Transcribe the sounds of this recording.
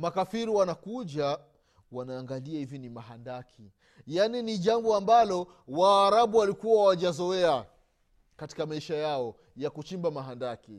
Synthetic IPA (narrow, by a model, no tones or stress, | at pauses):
makafiɾiwanakuʄa | wanaːŋɡaliahivinimaɦandakʰi | janiniʄambɔambalɔ | waːɾaɓuwalikuwawaʄazɔɛa | kati̥kamaiʃajaɔ | jakut͡ʃimbamaɦandaki